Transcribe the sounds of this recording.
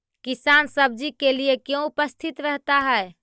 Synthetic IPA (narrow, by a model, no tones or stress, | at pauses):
kisansəb̚d͡ʒikeliekjõupəst̪ʰit̪ɾəɦt̪aɦɛe